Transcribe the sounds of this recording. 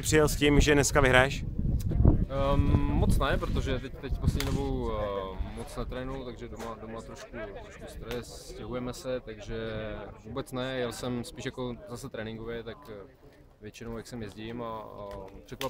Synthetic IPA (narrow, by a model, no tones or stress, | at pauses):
ɪpr̝̥ɪjɛlscɪmʒɛnɛskavɪɦɾajɛʃ | mot͡snɛpɾot̪o̞ʒɛt̪ɛct̪ɛcposlɛdɲiːdo̞bow | mot͡snɛt̪ɾɛːnujut̪aɡʒɛdomadomat̪ɾo̞ʃkut̪ɾoʃkust̪ɾojɛscɛɦujɛmɛsɛt̪aɡʒɛvuːbɛt͡snɛjɛlsɛmspiːʃjako̞zasɛt̪ɾɛːnɪŋɡovjɛt̪ak | vjɛt͡ʃɪnowjaksɛmjɛzɟɪma | pr̥ɛkva